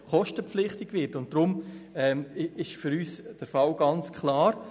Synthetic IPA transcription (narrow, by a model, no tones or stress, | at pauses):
χɔʃtəpflɪχtɪɡ̥vɪtʊnt̚d̥ɾʊmɛːmɪʃfʏɾyːsd̥əɾfɑlɡ̥ɑnt͡skʰlaːɾ